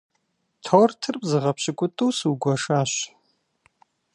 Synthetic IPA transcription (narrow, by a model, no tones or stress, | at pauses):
tʰoːrtʰɨrpʼzɨʁɐpɕɪkʷʼʊtʼɨwsuɡʷɐʂaːɕ